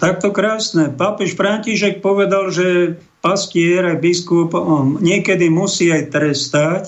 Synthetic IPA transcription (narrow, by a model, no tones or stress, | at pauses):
t̪ak̚t̪ɔkɾaːsnɛpapɛʃfɾaɲciʃɛk̚pɔʋɛd̪alʒɛ | pascɪɛɾajbiskupɲɪɛkɛd̪imusiːajt̪ɾɛst̪ac